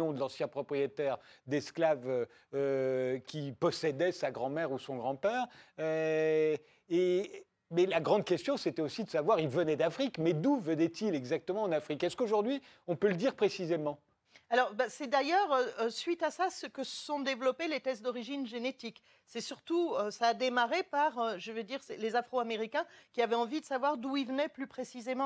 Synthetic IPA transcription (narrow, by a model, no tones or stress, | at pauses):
ɔ̃d̪əlɑ̃sjɛ̃pχɔpχijet̪ɛʁd̪ɛsklavø | økʲipɔsɛd̪ɛsaɡʁɑ̃mɛʁusɔ̃ɡʁɑ̃pɛːʁø | e | mɛlaɡʁɑ̃d̪̚kʲɛst̪jɔ̃set̪ɛosid̪əsavwaʁilvənɛd̪afχikmɛd̪uvənɛt̪ilɛɡzak̚t̪əmɑ̃ːnafχikɛskoʒuʁd̪ɥi | ɔ̃pøləd̪iʁpχesizemɑ̃ | alɔʁbasɛd̪ajœːʁøsɥit̪asasəkəsəsɔ̃d̪evlɔpelet̪ɛsd̪ɔʁiʒinʒenet̪ik | sɛsyʁt̪uøsaːd̪emaʁepaʁøʒəved̪iʁsɛlezafχoameʁikʲɛ̃kʲiavɛɑ̃vid̪əsavwaʁd̪uilvənɛplypχesizemɑ̃